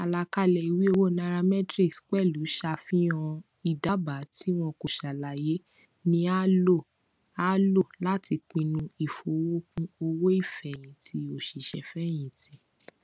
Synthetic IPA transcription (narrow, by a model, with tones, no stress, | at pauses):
a˨la˧ka˦lɛ˨i˨wi˦o˧wo˦nã˧ɾa˧mɛ˦tɾi˦˨ksk͡pɛ˦˨lu˨˦ʃa˧fĩ˦ɔ̃˧ | i˦˨da˨˦ba˨˦ti˦w̃ɔ̃˧ko˨ʃa˨la˨je˨˦ | nĩ˦a˦lo˦˨ | a˦lo˦˨la˦ti˧k͡pĩ˧nũ˧i˨fo˨wo˦kũ˦o˧wo˦i˦˨fɛ˨j̃ĩ˨tʰi˦o˦˨ʃi˨ʃɛ˨fɛ˦j̃ĩ˨ti˨˦